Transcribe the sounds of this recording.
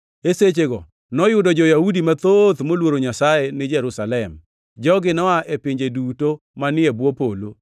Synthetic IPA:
eset͡ʃeɡɔ | nɔjʊdɔd͡ʒɔjahudimat̪ot̪molwoɾoɲasaenɪd͡ʒɛɾusalɛm | d͡ʒɔɡɪnɔaʔepɪɲd͡ʒeduto | manɪɛbwopolo

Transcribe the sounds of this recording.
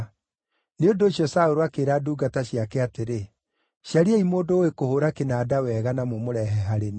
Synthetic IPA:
neondoːɕjɔsaoɾoakeːɾaduːɡataɕjakɛateɾe | ʃjaɾeɛimoːndoekohoɾakenaːdawɛːɣanamomoɾɛɦɛɦaɾene

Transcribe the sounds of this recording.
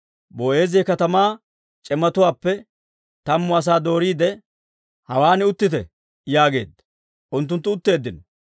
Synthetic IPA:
boːʔe̞ːzɪːkɐt̪ɐmaː | t͡ʃʼɛmːɐt̪ʊwaːpːɛ | t̪ɐmːʊɐs̬aːd̪o̞ːɾiːd̪ɛ | hɐwaːnɪʊt̪ːɪt̪ɛ̰ | jaːɡe̞̰ːd̪ːɐ̥ | ʔʊnt̪ːʊnt̪̬ːʊʊt̪ːe̞ːd̪ːɪnɔ

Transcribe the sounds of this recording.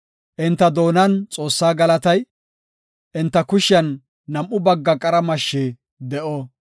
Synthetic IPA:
ʔɪnt̪ːɐd̪o̞ːnɐnt͡sʼo̞ːsːaːɡɐlɐt̪ɐj | ʔɪnt̪ːɐkʊʃjɐnː | ɐmʔːʊbɐɡːɐkʼɐɾɐmɐʃːeː | d̪ɛʔo

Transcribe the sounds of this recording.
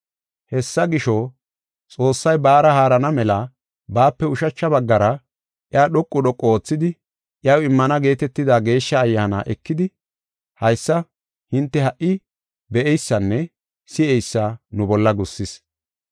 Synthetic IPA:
hɛsːɐɡɪʃo | t͡sʼo̞ːsːɐjbaːɾɐhaːɾɐnɐmɛlɐ | baːpːɛʊʃɐt͡ʃːɐbɐɡːɐɾɐ | ʔɪaːɗɔkʼːʊɗɔkʼːɔoːt͡sːɪd̪ɪ | ʔɪjɐwɪmːɐnɐɡe̞ːt̪ɛt̪ːɪd̪aːɡe̞ːʃːɐːjːaːna̰ːʔɛkːɪd̪ɪ | hɐjsːɐ | hɪnt̪ːɛhɐʔːɪ | bɛʔɛjsːɐnːɛ | sɪɛjsːanʊbɔlːɐɡʊsːɪs

